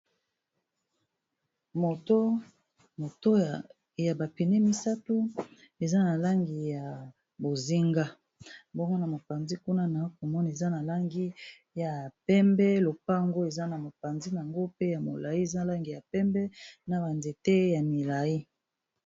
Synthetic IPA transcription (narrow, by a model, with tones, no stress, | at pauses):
mo˨to˦ | mo˨to˦ | ja˨ba˨pi˨ne˦mi˦sa˦tu˦ | e˨za˦na˨la˦ŋɡi˨ja˨ | bo˨zi˦ŋɡa˦ | bɔ˦ŋɡo˦na˨mo˨pa˨nzi˦ku˦na˦na˨˦ko˨mɔ˦na˨e˨za˦na˨la˦ŋɡi˦ | ja˨pɛ˦mbɛ˦lo˨pa˦˨ŋɡo˦e˨za˦na˨mo˨pa˨nzi˦na˨ŋɡo˦pe˦ja˨mo˨la˨i˦e˨za˦la˦ŋɡi˨ja˨pɛ˦mbɛ˦na˨ba˨nze˨te˦ja˨mi˨la˨i˦